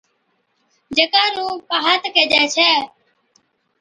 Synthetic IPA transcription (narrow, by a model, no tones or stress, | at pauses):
d͡ʒeːkaːnũːpaːɦaːt̪keːd͡ʒɛːt͡ʃʰɛː